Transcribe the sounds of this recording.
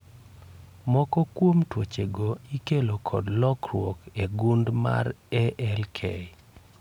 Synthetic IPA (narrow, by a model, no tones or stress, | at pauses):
mɔkɔkwomtwot͡ʃeɡoikelokʰɔ̰dlɔkrwɔkeɡundma̰ɾɛʔɛlkʰɛɪ